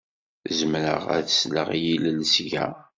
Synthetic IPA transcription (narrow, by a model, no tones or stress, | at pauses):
zəmɾə̰ʁæðəslə̰ʁjiləlsʝæ̰